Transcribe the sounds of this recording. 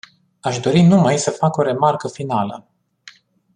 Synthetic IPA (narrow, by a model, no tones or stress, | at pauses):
aʃd̪o̞ɾinumajsəfako̞ɾe̞markəfinalə̰